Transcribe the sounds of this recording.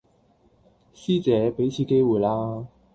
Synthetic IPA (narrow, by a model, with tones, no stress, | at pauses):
ɕi˥˩t͡sɛ˨˧˦pe˨˧˥ɪt͡ɕʰi˧˥˩ke˥wu˨˩la˧